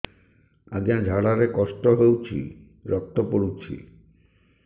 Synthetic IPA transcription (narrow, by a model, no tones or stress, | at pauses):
a̰d͡ʑiand͡ʒʱaɽaɾekɔʃʈoɦewt͡ɕʰḭ | ɾɔk̚t̪opoɽut͡ɕʰḭ